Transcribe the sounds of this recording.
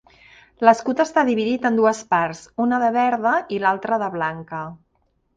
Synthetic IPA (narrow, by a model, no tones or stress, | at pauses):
ləskut̪əst̪aðiβiðit̪ənd̪uəspaɾzunəðəβɛɾðəilalˠt̪ɾəðəβlaŋkə